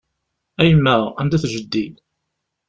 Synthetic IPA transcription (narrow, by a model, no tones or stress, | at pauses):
æjəmːæʁænd̪æθʒəd̪ːid̪